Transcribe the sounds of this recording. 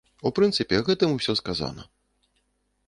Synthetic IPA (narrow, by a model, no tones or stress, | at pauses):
upɾɨnt̪sɨpʲɛɣɛt̪ɨmusʲɔskaza̰nɐ̰